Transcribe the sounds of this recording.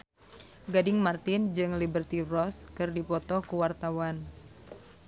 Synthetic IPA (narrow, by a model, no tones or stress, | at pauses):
ɡadɪŋmart̪ɪnd͡ʒɨŋlibərt̪irɔskɨrdipɔt̪ɔkuwart̪awan